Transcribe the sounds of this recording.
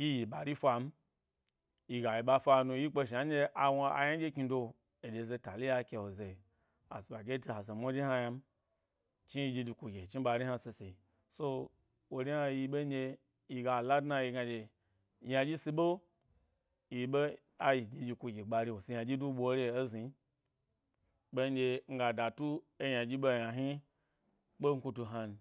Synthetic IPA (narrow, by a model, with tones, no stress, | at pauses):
ji˦ji˨ɓa˨ɾi˦fa˧m̩˦ | ji˧ɡa˨ji˧ɓa˧fʷa˧nu˧ji˦k͡pe˧ʃi˨a˦e˧ʔa˧wo˧a̰˨ja˦d͡ʒʲe˦kʲi˧do˧ | e˨de˨ze˧ta˨li˦ja˧kʲe˧wo˨ze˨ | a̰˨si˨ɓa˨ɡʲe˦ti˧ha˨ze˨mʷo˦ɾi˦ha˧ja˧m˦ | t͡ʃi˦ji˧d͡ʒi˧d͡ʒi˧ku˧ɡʲe˨t͡ʃi˦ɓa˧ɾi˦a˧si˧se˨i˨ | so˧ | wo˨ɾi˦ha˧ji˧ɓe˦nʲ˦e˧ | ji˨ɡa˨la˦dna˧ji˧ɡa˧d͡ʒʲe˨ | ja˧d͡ʒʲi˦si˧ɓo˦ | ji˨ɓe˦ | a˦ji˨d͡ʒi˧d͡ʒi˧ku˧ɡʲe˨ɡ͡ba˧ɾi˧wo˨si˧ja˧d͡ʒʲi˦du˦ɓo˧˦ɾe˨e˦zi˨˦ | ɓe˦d͡ʒʲe˧ŋ̩˦ɡa˨da˨tu˦ | e˦ja˨d͡ʒʲi˦ɓo˦˨ja˨ɦi˦ | ɓo˦ŋ̩˦ku˧tu˧ɦa˧n˨